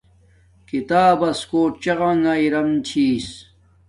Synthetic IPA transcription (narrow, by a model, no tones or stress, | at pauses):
kit̪aːbɐskoːʈt͡ɕɐɣaŋɡaiɾɐmt͡ɕʰiːs